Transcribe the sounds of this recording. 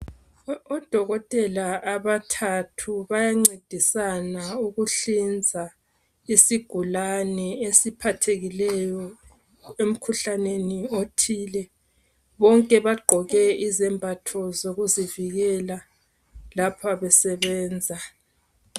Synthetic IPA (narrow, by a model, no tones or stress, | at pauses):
ɔd̥ʱɔɣɔtʼɛlaːβatʰatʰuβajaŋ͡ǀed̥ʱisanauɣuɬind͡zʱa | isiɡ̥ʱulanɛesipʰatʰeɣilɛjɔ | em̩kʰuɬaneniotʰiːlɛ | βɔŋkʼɛβaɡ͡ǃʱɔɣɛizɛmbʱatʰɔzoɣuziviɣɛla | lapʰaβɛsɛβɛːnd͡zʱa